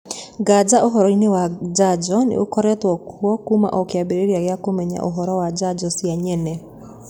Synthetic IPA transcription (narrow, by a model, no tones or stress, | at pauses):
ɡad͡ʒaʔoɦɔɾɔinewad͡ʒad͡ʒɔnḛokɔɾɛtwɔkuɔkuma̰ʔɔkeabeɾeɾiaɣeakomɛɲa̰ʔoɦɔɾɔwad͡ʒad͡ʒɔsjaɲɛnɛ